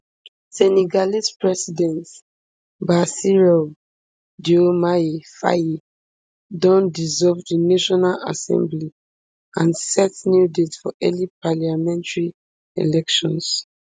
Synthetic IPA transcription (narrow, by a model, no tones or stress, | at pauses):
sɛniɡalispɹɛsidɛ̃nt | basiɹɔ | diomaefa̰ji | dɔ̃ndizɔlvdinaʃɔnala̰sɛ̰̃mbli | ãnsɛtnjudetsfɔʔɛlipaliamɛ̃ntaɹi | ḛlɛkʃɔ̃ns